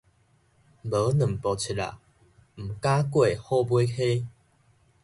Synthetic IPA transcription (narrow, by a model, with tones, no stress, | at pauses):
bə˨˦nɨ̃˨˩mpɔ˨˩t͡sʰi˨˩a̰˨˩ | m̩˨˩ka˦kwe˥˨hɔ˥˧˨bwe˦xʰe˦